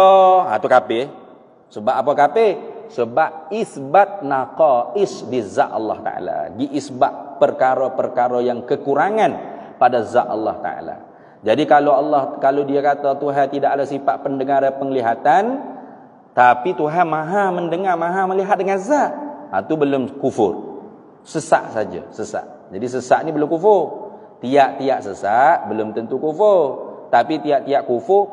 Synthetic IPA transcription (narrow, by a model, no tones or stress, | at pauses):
a̰t̪ukapɪ | səbap̚apakapesəbap̚iθbat̪̚naqɑɪsdiza̰ʔɑ̰lːɑ̰ht̪a̰ʔa̰la̰ɡiʔisbaʔ̪̚pərkaɾopərkaɾojaŋkəkuɾaŋanpadaza̰ʔɑlːɑht̪a̰a̰la̰ | d͡ʒadikaloɑlːɑhkalowdiakat̪at̪uɦant̪idaʔadasipaʔpəndəŋaɾapəŋəliɦat̪an | t̪apit̪uɦanmãɦaməndəŋarmãɦaməliɦat̪̚dəŋanzaʔa̰t̪ubəlʊmkufʊ̰r | səsa̰ʔsad͡ʒa̰səsa̰ʔ | d͡ʒadis̬əsaʔnibəlʊmkufʊr | t̪iaʔt̪iaʔsəsaʔbəlʊmt̪ənt̪ukufʊrt̪apit̪iaʔt̪iaʔkufʊr